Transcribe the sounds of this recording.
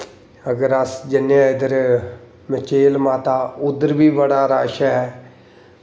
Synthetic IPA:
əɡəɾəsd͡ʒɪnjãːɪd̪əɾ | mɪt͡ʃeːlmaːt̪aːʊd̪əɾʋiːʋəɽaːɾaːʃaɦɛː

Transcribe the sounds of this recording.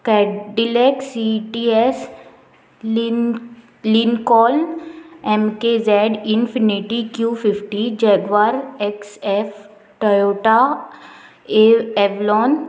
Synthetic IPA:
kɛːɖɪlɛːksiʈiɛs | linkɔːlnɛmkezɛːɖɪnfʰɪnɪʈikjuːfʰɪfʈid͡ʒɛːɡʋaɾɛksɛf | ʈɔjoːʈa | eɛʋlɔːn

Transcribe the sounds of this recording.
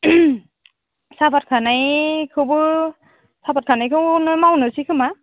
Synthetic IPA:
sapat̚kʰanajkʰɯbɯ | sabat̚kʰanajkʰɯnɯmawnɯsikʰɯma

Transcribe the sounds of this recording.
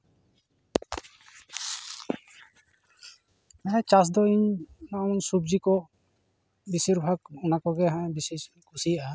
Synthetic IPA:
aɛ̃t͡ʃas̬d̪ɔiɲnawnsub̚d͡ʒikɔ | bisiɾbʱaɡunakɔɡɛɦãɛ̃bisis | kʰusijaʔa

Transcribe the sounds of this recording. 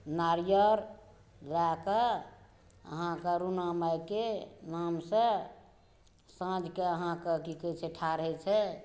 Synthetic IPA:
naɾijəɾ | laka | ə̰ɦãkəɾunamajkenamsə̃ | sãd͡ʒʱkeəɦãkəkikət͡ʃʰeʈʰaɾəɦɛt͡ʃʰɛ

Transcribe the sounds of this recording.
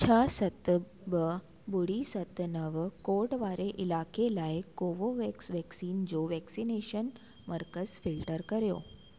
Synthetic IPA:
t͡ɕʰəsət̪ | bə | bʊɽisət̪nəʋkoʈʋaɾeʔɪlakelaːekoʋoʋɛksʋɛksiːnd͡ʑoːʋɛksineʃən | məɾkəzfɪlʈəɾkəɾjo̰ː

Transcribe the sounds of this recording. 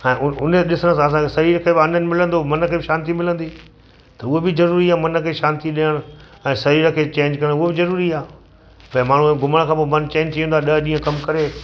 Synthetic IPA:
ɛ̃ːʔʊʊnəɗɪsəɽ̃sãɐs̬ãkʰesɐɾiːɾəkʰebɐnənɪ̆mɪlə̃nd̪omɐnkʰeːbɪʃãːnt̪imɪlə̃nd̪iː | t̪ɐʊɦebɪzɐɾuːɾiaːmɐnə̆kʰeːʃãːnt̪iɗijəɽ̃ʊ | ɛ̃ːsɐɾiːɾəkʰeːt͡ɕẽːɲd͡ʑkɐɾə̃ʊɦebɪzɐɾuːɾiaː | pɐ̃ɪ̃maːɳ̤uɡʱʊməɽ̃kʰãːpoːmɐnt͡ɕẽːɲd͡ʑtʰiə̃nd̪aɗɐɦɗĩːə̃kɐmkɐɾeː

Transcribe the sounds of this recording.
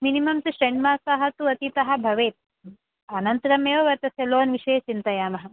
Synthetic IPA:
minimɐmt̪uʃɾeɳɖmaːsɐɦɐt̪uɐt̪it̪ɐɦɐ̆bʱɐʋeːt̪̚ | ɐnɐnt̪ɐɾɐmeːʋɐʋɐɾt̪ɐsjɐloːnʋiʃeːt͡ʃint̪ɐjaːmɐɦɐ̆

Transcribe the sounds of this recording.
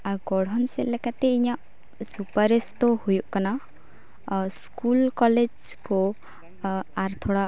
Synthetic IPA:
aɡɔɽ̤ɔnselekat̪eijãʔ | supaɾest̪ohujuʔkana | skulkɔled͡ʒko | aɾt̪ʰoɽa

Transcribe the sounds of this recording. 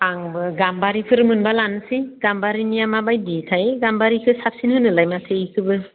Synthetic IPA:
aŋbɯɡambaɾipʰɯɾɯmɯnbalansiɡambaɾinijamabajditʰajɡambaɾikʰɯsap̚sinhɯnɯlajmatʰekʰɯbɯ

